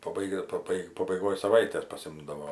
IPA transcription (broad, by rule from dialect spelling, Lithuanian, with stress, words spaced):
pɐˈbɐɪɡʲɛ pɐˈbɐɪ pɐbɐɪˈɡoːj sɐˈʋɐɪtʲeːs pɐˈsʲɪmdɐʋoː